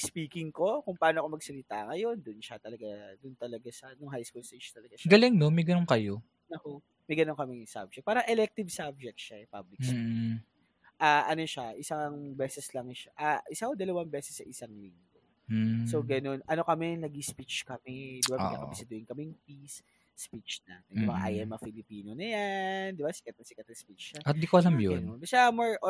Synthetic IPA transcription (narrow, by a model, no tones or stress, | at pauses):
spiːkɪŋko̞kʊŋpɐʔaːnoʔɐkomɐɡsɐlɪt̪a̰ŋɐjo̞nd̪ʊnʃat̪ɐlɐɡad̪ʊnt̪ɐlɐɡasɐnʊŋɦajskulsɛʃɐt̪ɐlɐɡaʃɡɐlɪŋnomɐjɡɐnoŋkɐjo | nɐko | mɐjɡɐnoŋkɐmɛsa̰b̚d͡ʒɛk̚paːɾɐŋʔɛlɛk̚t̪ɪvsab̚d͡ʒɛk̚t̪ʃaɛpablɪks | ʔaʔɐno̞ʃaʔɪsaŋbɛːsɛslɐŋʃaʔaʔɪsakod̪ɐlɐwaŋbɛːsɛsːɐʔɪsaŋliŋɡo | sowɡɐno̞nʔɐno̞kɐmɛnɐɡispit͡ʃkɐmɛd̪ɪbaɐka̰ːkɐ̰mɛsɐd̪ʊɪnkɐmɛjŋpisː | pit͡ʃna̰t̪d̪ɪbaʔa̰jʔɛmɐfɪlɪpiːnonɐjand̪ɪbasɪkɐt̪ɐsɪkɐt̪ɐspit͡ʃːaɐd̪ikoʔɐlɐmjononːɐʃamoɹ